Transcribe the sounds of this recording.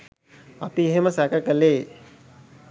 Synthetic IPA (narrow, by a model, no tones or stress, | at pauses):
apieɦeməsækəkəleː